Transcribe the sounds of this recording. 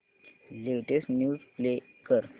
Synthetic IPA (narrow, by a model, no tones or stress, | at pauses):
leʋʈesnjuːzple | kəɾ